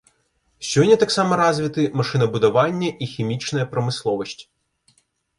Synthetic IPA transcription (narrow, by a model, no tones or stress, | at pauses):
sʲɦɔnʲːɐt̪ɑksɑmɐɾɑzʲʋʲit̪ɪmɐʃɪnɐbud̪ɐʋɑnʲːɐʔixʲimʲit͡ʃnɐjɛpɾɐmɪslˠɔʋɔsʲtʲi̥